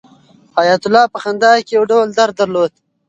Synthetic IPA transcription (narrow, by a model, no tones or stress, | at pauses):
ɑjat̪ʊlɑpəxand̪ɑkejwɖawld̪aɾd̪aɾlod̪̥